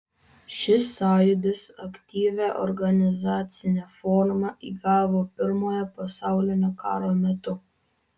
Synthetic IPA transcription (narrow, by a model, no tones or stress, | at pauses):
ʃʲɪsɑːjʊd̪ʲɪsɐkt̪ʲiːʋʲæːʔɔ̰ɾɡɐnʲɪzɑːt̪sʲɪnʲeːfɔːɾmɐʔiːɡɑːʋoːpʲɪɾmoːjɛpɐsɑˑʊlʲɪnʲoːkɑːɾoːmʲɛt̪ʊ